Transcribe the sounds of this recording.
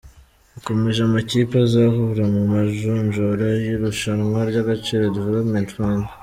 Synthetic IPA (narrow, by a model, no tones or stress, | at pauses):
ako̞me̞ʒamaciːpazahuɾamumaʒunʒoɾajuɾuʃanŋwaɾɟaɡat͡ʃiɾadivelopmentwaːnde